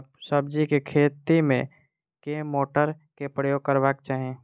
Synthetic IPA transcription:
səb̚d͡ʒikekʰeːt̪imḛ̃ | keːmoːʈəɾ | kepɾəjoːɡ̚kəɾbaːkt͡ʃaːɦiẽː

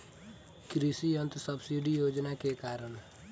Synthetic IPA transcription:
kɾisiənt̪səbsiɖijoːd͡ʒnakekaːɾəɳ

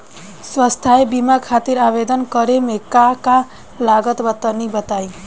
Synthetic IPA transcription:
swəst̪ʰaebimakʰat̪iɾaʋed̪ənkəɾemekaka | laɡət̪ʋət̪ːənibət̪aĩ

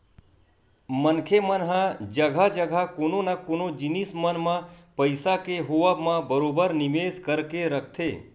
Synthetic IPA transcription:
mənkʰemənɦãd͡ʒəɡʱad͡ʒəɡʱakoːnonakonod͡ʒɪnismənmãpəɪsakeɦoʋamãbəɾoːbəɾnɪmeːskəɾkeɾək̚ʰt̪ʰeː

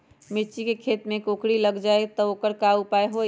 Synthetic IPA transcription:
mɪt͡ʃikekʰeːt̪mẽkokɽiləɡd͡ʒaːet̪ɔoːkəɾkaupaeɦo

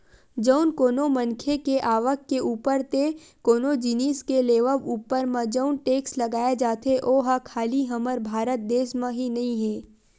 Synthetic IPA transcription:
d͡ʒəʊnkoːnomɐ̃nkʰekeʔaːʋəkːeuːpəɾt̪e | koːnod͡ʒiniːskeleːʋəʋuːpəɾmãd͡ʒəʊnʈeːkslɐɡaːed͡ʒaːt̪ʰeʔoːɦakʰaːliɦɐməɾbʱaːɾət̪̚d̪eːsmẽɦinɐɦĩɦɛ̃ː

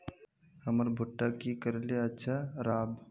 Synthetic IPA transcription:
həməɾbʱʊʈːakikəɾeljaətːʃʰaɾaːb

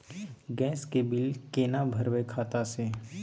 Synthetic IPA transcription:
ɡɛ̃ːskebɪlkeːnabʱəɾwekʰaːt̪ase

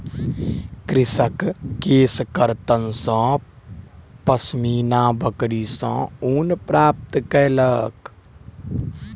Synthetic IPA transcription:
kɾɪsəkːeːskəɾt̪ənsə̃ | pəsmiːnaːbəkɽisɔ̰̃uːnpɾaːp̚t̪kɛlək

